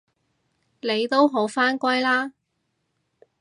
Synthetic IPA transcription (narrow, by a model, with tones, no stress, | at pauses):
le˨˧jt̪o˥wɦo˨˥wfaː˥nkʷɐ˥jlaː˥